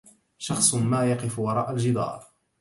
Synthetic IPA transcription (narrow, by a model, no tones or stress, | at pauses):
ʃɑxsˤmaːjɑqɪfwɑɾˤɑːʔald͡ʒɪd̪ˤɑ̰ːɾˤ